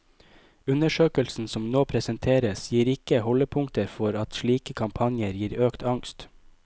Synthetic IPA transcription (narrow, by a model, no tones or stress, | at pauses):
ʉnəʃøːkəlsn̩sɔmnoːpʰɾɛsənt̪ʰeːɾəsjiːɾɪkəhɔləpʰʊŋt̪əɾfɔɾɑt̪ʃliːkəkʰɑmpʰɑnjəɾjiːɾøːkt̪ɑŋst̪